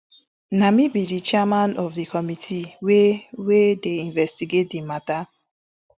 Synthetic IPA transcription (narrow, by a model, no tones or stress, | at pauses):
namibidit͡ʃɛmanɔvdikɔmitʰiwewedeiɱvɛstiɡedimata